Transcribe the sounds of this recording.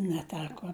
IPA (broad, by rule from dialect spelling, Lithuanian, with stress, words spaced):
nʲɛˈtʲæːkoː